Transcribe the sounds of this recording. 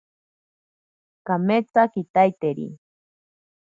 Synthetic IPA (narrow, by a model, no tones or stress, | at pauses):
kamet͡sakit̪ajt̪eɾḭ